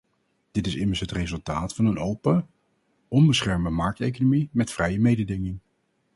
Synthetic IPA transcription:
d̥ɪtɪsɪməɹsɦətrezɵlˠtaːtfɑnənowpə | ʔɔmbəsχɛɹmdəmɑɹk̚tejk̬onomimɛtfrɛjəmejdədɪŋɪŋ

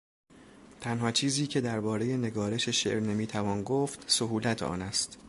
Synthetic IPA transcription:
t̪ʰænɦɒːt͡ʃʰiːziːcʰe̞d̪æɾbɒːɾe̞je̞ne̞ɡɒːɾe̞ʃe̞ʃe̞̰ʔɾne̞miːt̪ʰævɒːnɡoːft̪soɦuːlæt̪ʰɒ̰ːnæst̪

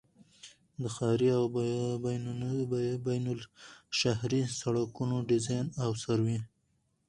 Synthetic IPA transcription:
d̪əxɑɾiaw | bajnʊlʃahɾisaɽakunoɖɪzɑjnawsaɾwi

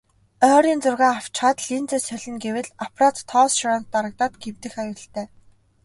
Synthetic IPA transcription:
œːɾiːnt͡sʊrɣaːaw̥t͡ɕχaːt̪ɮint͡seːsœɮʲɪ̆nɡewɘ̆ɮapʰrat̪ʰːɔːsʃaɾaːnt̪ːaɾə̆k̚t̪aːt̪ɡewt̪ɘ̆xajʊːɬt̪æː

